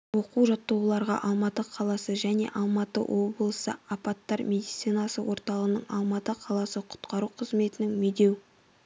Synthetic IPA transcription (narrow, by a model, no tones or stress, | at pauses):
wo̞quwʒɑt̪ːuwlˠɑɾʁɑ̰ʔɑlˠmɑt̪əqʰɑlˠɑsəʒæne̞̰ʔɑlˠmɑt̪ə̰wʔo̞blˠəsə̰apɑt̪ːɑɾmʲe̞d̪ijt̪sijnɑsəwo̞ɾt̪ɑlˠəʁənəɴɑ̰lˠmɑt̪əqʰɑlˠɑsəqʰʊ̥t̪qɑɾuqʰəzme̞t̪ɪnɪŋmed̪e̞w